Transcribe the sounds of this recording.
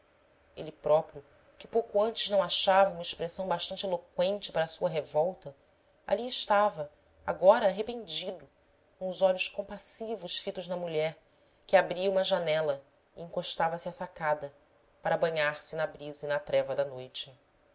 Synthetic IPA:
elɪpɾɔpɾijʊ | kɪ̥powkʊɐ̃nt͡ʃɪʒnɐ̃w̃aʃavɐũmɐɪʃpɾesɐ̃w̃baʃt̪ɐ̃nt͡ʃelokwẽnt͡ʃɪ̥paɾɐsuɐɦevɔwt̪ɐ | a̰liɪʃt̪avɐ | a̰ɡɔɾɐaɦepẽnd͡ʒid̪ʊ | kõʊzɔʎʊʃkõpasivʊʃfit̪ʊʒnɐmuʎɛɾ | kɪabɾiɐũmɐʒanɛlɐ | iĩŋkoʃt̪avɐsɪasakad̪ɐ | paɾɐabɐ̃ɲaɾsɪnɐbɾizɐinɐt̪ɾɛvɐd̪ɐnojt͡ʃɪ̥

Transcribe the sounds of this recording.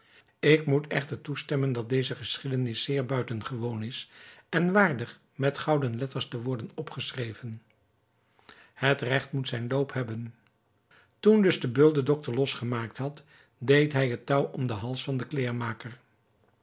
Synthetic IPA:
ɪkmutɛχtəɹtustɛməndɑt̚dejzəχəsχidənɪsːɪːɹbœɥtənχəʋownɪsɛnʋaːɹdəχ | mɛtχɑwdənlɛtəɹstəʋɔɹdənɔpχəsrejvən | hətrɛχtmutsɛjnlowpɦɛbən | tundɵzdəbɵlˠdədɔk̚təɹlɔsχəmaːk̚tɦɑt | dejtɦɛjɦətɑwɔmdəɦɑlˠsfɑndəklɪːɹmaːkəɹ

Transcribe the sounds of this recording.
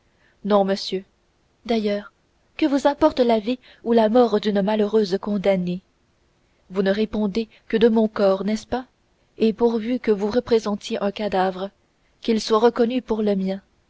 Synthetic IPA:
nɔ̃məsjø | d̪ajœːʁ | kəvuzɛ̃pɔʁt̪əlavi | ulamɔʁd̪ynmaløʁøːzkɔ̃d̪ane | vunəʁepɔ̃d̪e | kəd̪əmɔ̃kɔːʁnɛspa | epuʁvykəvuʁəpχezɑ̃t̪jeʔɛ̃kad̪avʁə | kʲilswaʁəkɔnypuʁləmjɛ̃

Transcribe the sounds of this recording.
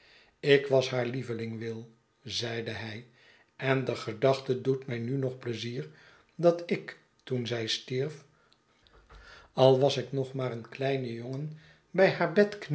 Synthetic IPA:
ɪkʋɑsɦaːɹlivəlɪŋʋɪlˠ | zɛjdəɛj | ɛndəχədɑχtədutmɛjnynɔχpləziːɹ | dɑtɪk | tunzɛjstiɹf | ɑlˠʋɑsɪknɔχmaːɾənklɛjnəjoŋən | bɛjɦaːɹbɛtkn

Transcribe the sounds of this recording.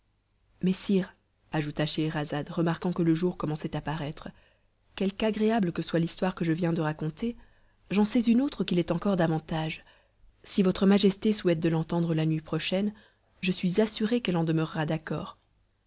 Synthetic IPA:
mɛsiːʁ | aʒut̪aʃeːʁazad̪ʁəmaʁkɑ̃kələʒuʁkɔmɑ̃sɛt̪apaʁɛt̪χə | kʲɛlkaɡʁeabləkəswalist̪waʁkəʒəvjɛ̃d̪əʁakɔ̃t̪ʰe | ʒɑ̃sɛzynot̪χəkʲilɛt̪ɑ̃kɔʁd̪avɑ̃t̪aʒ | sivɔt̪χəmaʒɛst̪esuɛt̪̚d̪əlɑ̃t̪ɑ̃d̪ʁəlanɥipχɔʃɛn | ʒəsɥizasyʁekɛlɑ̃d̪əmœʁːad̪akɔ̰ːʁ

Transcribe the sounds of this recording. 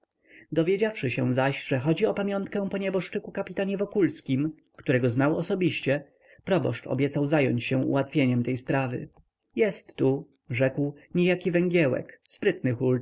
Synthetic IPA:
d̪ɔvʲjed͡ʑafʂɘɕɛw̃zaɕʐɛxɔd͡ʑiɔpamʲjɔ̃nt̪kɛ̃w̃pɔɲɛbɔʂt͡ʂɘkukapʲi̥t̪aɲɛvɔkulskʲim | kt̪uɾɛɡɔznawɔsɔbʲiɕt͡ɕɛ | pɾɔbɔ̰ʂt͡ʂɔ̰bʲjɛt̪sawzajɔɲt͡ɕɕɛ̃ṵwat̪fʲjeɲɛmt̪ɛjspɾavɘ̰ | jɛst̪ːu | ʐɛkwɲɛjakʲivɛŋɡʲjɛwɛ̰kspɾɘt̪nɘxul

